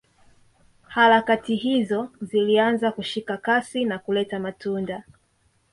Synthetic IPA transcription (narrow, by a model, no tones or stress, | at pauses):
haɾakatiɦizɔzilianzakuʃikakasinakulɛtamatunda